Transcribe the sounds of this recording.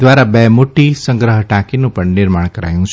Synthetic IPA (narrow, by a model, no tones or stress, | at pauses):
ʋaɾabemoʈisə̃ŋɡɾəɦəʈakinũpəɳnɪɾmaɳkəɾa̰jũt͡ʃʰ